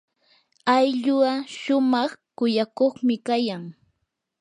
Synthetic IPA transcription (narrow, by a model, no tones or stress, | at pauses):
ajʎʊaʃʊmɑχkʊjakoχmɪkajaŋ